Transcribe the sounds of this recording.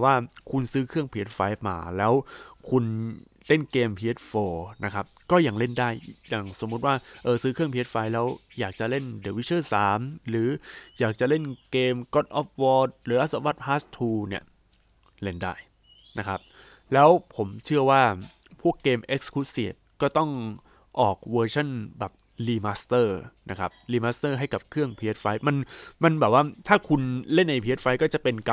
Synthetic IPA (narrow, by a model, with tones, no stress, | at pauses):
waː˥˩kʰu˧nsɯː˦˥kʰɯ˥˩əŋpʰiː˧˦˥t̪̚faː˦˧jma̰ː˩˦lɛː˦˥wkʰu˧n | le˥˩nkeː˧mpʰiː˧˦˥t̪̚foː˧na˦˥kʰa˦˥p̚kɔː˥˩ja˧˩ŋle˥˩ndaː˥˩jja˨˩ŋso˨˩˦mːu˦˥t̪̚waː˥˩ʔɤː˨˩sɯː˦˥kʰɯ˥˩əŋpi˧˦˥t̪̚faː˧jlɛː˦˥wjaː˨˩k̚t͡ɕa˨˩le˥˩ndeː˨˩˦wi˦˥t͡ɕʰɤː˥˩saː˩˦mɾɯː˩˦jaː˨˩k̚t͡ɕa˨˩le˥˩nkeː˧mkɔ˦˥t̪̚ʔɔː˦˥p̚wɔː˧˥t̪̚ɾɯː˩˦ʔa˦˥t̪̚sa˧˦wa˧˥t̪̚pʰaː˦˥st̪ʰːuː˧ni˥˩ɐə | le˧˩nda̰ː˥˩j | na˦˥kʰa˦˥p̚ | lɛː˦˥wpʰo˩˦mt͡ɕʰɯ˥˩ɐəwaː˥˩ | pʰu˥˩əkːeː˧mʔe˦˥k̚skʰu˦˥sḭː˨˩t̪̚kɔː˥˩t̪ɔ˥˩ŋ | ʔɔː˨˩k̚wɤː˧t͡ɕʰa˥˩nbɛː˨˩p̚ | liː˧maː˦˥st̪ɤː˥˩na˦˥kʰa̰˦˥p̚liː˧maː˦˥st̪ɤː˥˩ɦa˥˩jka˨˩p̚kʰɯ˥˩əŋpʰi˧e˦˥t̪̚fa˧˥jma˧nma˧nbɛː˨˩p̚waː˥˩t̪ʰaː˥˩kʰu˧nle˥˩nʔːa˧jpʰi˧˦e˦˥t̪̚fa˧jkɔː˥˩t͡ɕa˨˩pe˧nka˧